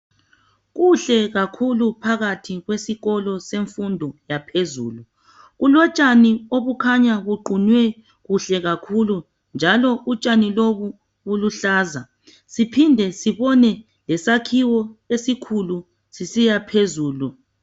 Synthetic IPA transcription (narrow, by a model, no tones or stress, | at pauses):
ɣuɬɛɣakʰulupʰaɣatʰiɣwesiɣɔlɔseɱfundʱɔjapʰezṵːlu | ɣulɔt͡ʃʼanioβukʰaɲaɣuɡ͡ǃʱunwɛ | ɣuɬɛɣakʰulu | nd͡ʒʱalɔʔut͡ʃʼaniloβu | βuluɬaːza | sipʰindʱɛsiβɔnɛ | lɛsakʰiwɔesikʰulu | sisijapʰezuːlu